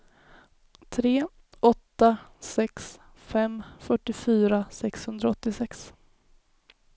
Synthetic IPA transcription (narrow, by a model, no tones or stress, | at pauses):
t̪ʰɾeː | ɔt̪ːasɛks | fɛmfœʈːɪfyːɾasɛkshɵnd̪ɾaɔt̪ːɪsɛks